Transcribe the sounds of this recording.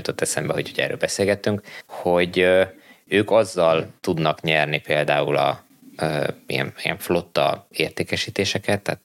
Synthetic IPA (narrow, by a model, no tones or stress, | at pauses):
t̪o̞t̪ːɛsɛmbɛɦo̞ɟuɟɛ̰ːɾʔøːlbɛseːlɡɛt̪ːyŋkho̞ɟøøːkɒzːɒlt̪ud̪nɒkɲɛrnipeːld̪aːulɒ̰ | ijɛ̰nijɛ̰ɱflo̞t̪ːɒ̰eːrt̪eːkɛʃiːt̪eːʃɛkɛt̪ːa̰ːt̪